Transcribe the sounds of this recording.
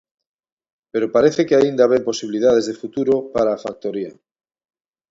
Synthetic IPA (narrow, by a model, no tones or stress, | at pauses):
peɾopaɾeθekeaind̪aβempo̞siβiliðað̞ezðefut̪uɾopaɾaːfak̚t̪oɾia̰